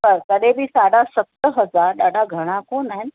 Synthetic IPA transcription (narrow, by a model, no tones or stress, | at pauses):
əɾkəɽebʱiːsaɽasət̪ːəɦəd͡zaɾɗaɽaɡʱəɽ̃ãkonaen